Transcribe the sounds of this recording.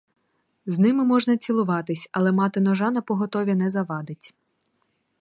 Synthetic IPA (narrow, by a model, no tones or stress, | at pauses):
znɪmɪmɔʒnɐt͡sʲilˠʊʋɑt̪ɪsʲɐlˠɛmɑt̪ɪnɔʒɑnɐpɔɦɔt̪ɔʋʲinɛzɐʋɑd̪ɪtʲ